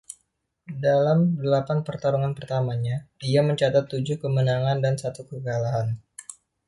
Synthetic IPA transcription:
dalamdəlapanpərt̪aɾuŋanpərt̪amaɲaiaməɲt͡ʃat̪at̪ːud͡ʒuhkəmənaŋandansat̪ukəɡalaɦan

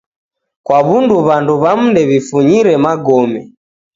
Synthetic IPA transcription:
kwaβunduβanduβam̩ndɛβifuɲiɾɛmaɡɔmɛ

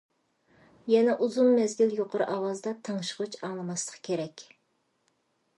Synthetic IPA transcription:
jɛnɛʔuzunmɛzɡʲiljoqʰʊɾɨ̰ʔɑwɑzd̪ɑt̪ʰɑŋʃəʁut͡ʃɑŋlˠɨmɑslˠə̥qkʲʰeɾɛkʲ

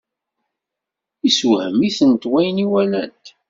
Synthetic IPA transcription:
iswhə̰miθənt̪wæjniwælænt̪

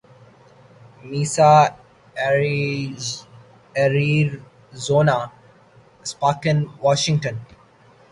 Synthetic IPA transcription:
miːsa | ɛɾiɾ | zoːna | spaːkə̃nʋɔːʃɪ̃ŋʈə̃n

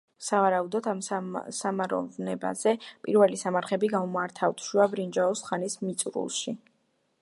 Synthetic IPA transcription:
savaɾaud̪ɔt̪ʰamsamaɾɔ̰vnɛba̰zɛpʼiɾvɛlisamaɾχɛbiɡaumaɾt̪ʰavt̪ʰʃuabɾind͡ʒaɔsχanismit̪sʼɾṵlˠʃi

